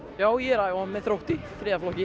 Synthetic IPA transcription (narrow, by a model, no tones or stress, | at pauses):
jaːwjɛɾaːjamɛðθɾowht̪ifɾɛːðaflɔhcɪ